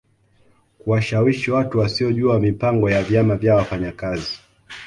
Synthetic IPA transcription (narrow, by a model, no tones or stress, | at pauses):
kuwaʃawiʃiwatuwasiɔʄuamipaŋɡɔjavjamavjawafaɲakazi